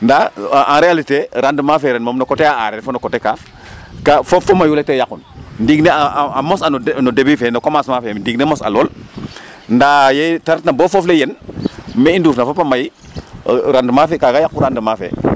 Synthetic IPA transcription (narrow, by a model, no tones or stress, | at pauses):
ndaʔãnɾealiteɾandəmafeɾɛnmomnokoteaaɾɛɾfonokoteka | kafofomajuletejakunndiɡneamosannodebifenokomasmafemndiɡnemosa̰lol | ndajetaɾtnabofoflejenmeinduːfnafopamaji | ɾandəmafekaɡajakːuɾandəmafḛ